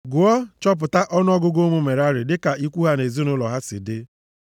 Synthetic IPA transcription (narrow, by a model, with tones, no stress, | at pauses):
ɡʊ˨ɔ˦t͡ʃɔ˦p̬ʊ˨ta˦ʔɔ˦nʊ˦ɔ˦ɡʊ˦ɡo˦mʊ˦me˨ɾa˦ɾɪ˨dɪ˦ka˨i˦kʷu˦ɦa˦ne˨zi˦nʊ˦lɔ˨ɦa˦sɪ̰˨dɪ˦